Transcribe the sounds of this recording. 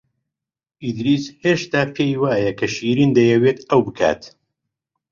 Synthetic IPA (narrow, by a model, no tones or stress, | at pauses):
ʔid̪ɾiːsheːʃt̪aːpʰejwaːjɐkʰɐʃiːɾiːnd̪ɐjɛweːt̪ɐwbɨkʰa̰ːt̪